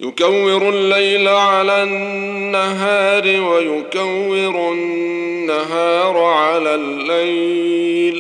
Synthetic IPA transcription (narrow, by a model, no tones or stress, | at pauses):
jʊkawːɪɾʊlːajlʕalaː | nːaɦaːɾɪwajʊkawːɪɾʊ | nːaɦaːɾˤʕalaːlːaj | l